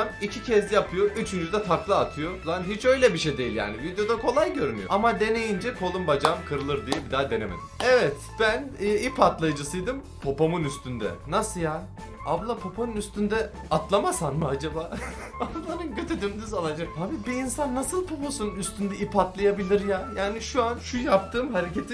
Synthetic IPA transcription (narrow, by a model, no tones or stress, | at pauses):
micʰicʰɛzʲijapʰɯjo̞ʔyt͡ʃʰynd͡ʒyd̪ɛt̪ʰaklˠɯːt̪ʰɯjoflˠanɦit͡ʃø̞jlʲɛbiʃejd̪ejilʲja̰ːnivid̪jo̞d̪akʰo̞lˠajɟø̞ɾyny̰joʔamad̪e̞ne̞jind͡ʒɛkʰo̞lˠumbad͡ʒamkʰɯɾɯlˠɯɾd̪ijɛbid̪aːd̪e̞nemḛd̪̥imɛvɛt̪b̥ænːipat̪lˠajɯd͡ʒɯsɯjd̪ɯm | pʰo̞pomunyst̪ʰynd̪ɛ̰nasɯlja | ablˠapʰo̞pʰonɯunyst̪ʰynd̪ɛ | at̪lˠamasanmɯad͡ʒabaː | alˠanɯnɟø̞t̪ʰyd̪ymd̪yzalˠad͡ʒakhabibiːnsanːasɯlˠpʰo̞posunyst̪ʰynd̪ɛipat̪lˠajabilʲiɾjaːjaːniʃuanʃujap̚t̪ʰɯːmɦaɾece̞t̪ʰi